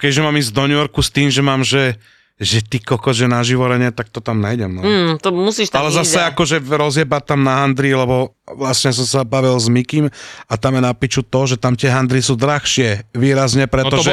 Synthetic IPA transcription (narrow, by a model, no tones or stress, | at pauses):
kɛʒɛmaːmizd̪ɔnujɔɾkust̪iːmʒɛmaːmʒɛ | ʒɛt̪ikɔkɔʒɛnaʒiʋɔɾɛɲɛt̪ak̚t̪ɔt̪amnajɟɛmnɔt̪ɔmusiːʃt̪alɛzasɛakɔʒɛɾɔzjɛbat̪amnaɦand̪ɾilɛbɔ | ʋlasɲɛjas̬ɔmsabaʋilzmikimat̪amjɛnapiːt͡ʃut̪ɔʒɛt̪amt̪ɪɛɦand̪ɾisuːd̪ɾaxʃɪɛʋiːɾazɲɛpɾɛɔʒɛ